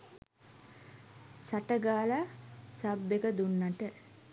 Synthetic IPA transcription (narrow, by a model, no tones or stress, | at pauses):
saʈəɡaːlasabːekəd̪unːaʈə